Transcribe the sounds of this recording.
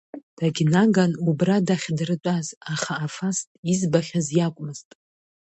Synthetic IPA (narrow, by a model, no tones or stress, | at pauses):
d̥aɡʲnaɡanubradaχʲdrɨt͡pʷʼazaχaːfastʼizbaχʲazjakʷʼmɨz̥tʼ